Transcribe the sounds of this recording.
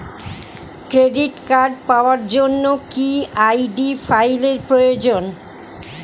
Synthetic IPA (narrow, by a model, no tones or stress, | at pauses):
kɾeɖiʈkaɾɖpaoaɾd͡ʑonːokiajɖifʰajleɾpɾojod͡ʑon